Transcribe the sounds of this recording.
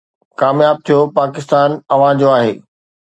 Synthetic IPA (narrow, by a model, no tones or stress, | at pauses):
kaːmjaːb̚t̪ʰijopaːkɪst̪aːnɐʋ̤ãd͡ʑoaːɦeː